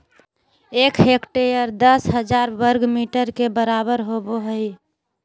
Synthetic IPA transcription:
ekɦekʈejəɾd̪əsɦəd͡ʒaɾbəɾɡmiʈəɾkebəɾabəɾɦoboɦəj

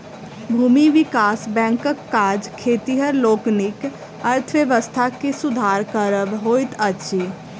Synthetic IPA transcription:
bʱuːmiʋikasbɛ̃ŋkəkːaɾd͡ʒkʰet̪iɦəɾloːknik | əɾt̪ʰəʋeʋəst̪ʰakesud̪ʱaɾkəɾəbɦojt̪əʃʰi

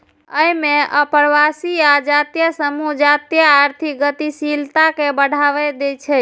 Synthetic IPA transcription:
əimeʔəpəɾʋasiad͡ʒat̪ijəsəmud͡ʒat̪jaːɾt̪ʰiɡət̪isilt̪akebəɽ̤ʱaʋɛd̪et͡ʃʰɛ

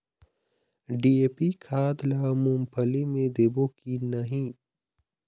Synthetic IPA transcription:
ɖiːeːpikʰaːd̪laːmumpʰɐlimẽd̪eːbokinɐɦĩ

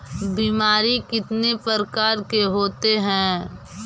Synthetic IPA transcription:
biːmaːɾikɪt̪nepəɾkaːɾkeɦoːt̪eɦɛ̃ː

